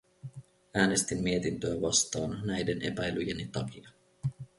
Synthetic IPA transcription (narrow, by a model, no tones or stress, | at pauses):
æːne̞st̪imːie̞t̪int̪øæʋɑst̪ɑːnnæjde̞nʔe̞̰pæjlyjenit̪ɑkiɑ